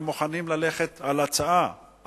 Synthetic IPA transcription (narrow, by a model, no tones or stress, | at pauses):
mːuχanimlale̞χet̪alat͡saa